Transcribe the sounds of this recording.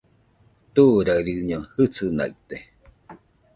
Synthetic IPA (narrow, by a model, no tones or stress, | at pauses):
t̪uʔɾaɾiɲohɨt͡sɨna̰it̪e